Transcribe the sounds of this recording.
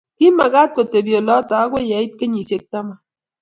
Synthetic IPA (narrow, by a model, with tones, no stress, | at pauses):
ki˦ma˨ɣa˦t̚ko˨te˨bjo˨lɔ˦ta˨˦ɡʷwe˦ja˨˦i˦t̚ke˦ɲi˨sje˦k̚ta˦ma˨